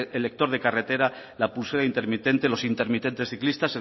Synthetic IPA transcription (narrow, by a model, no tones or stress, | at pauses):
elek̚t̪o̞ɾð̞ekaret̪e̞ɾa | lapulselaint̪e̞ɾmit̪e̞nt̪e̞lo̞sint̪eɾmit̪e̞nt̪esθiklist̪ase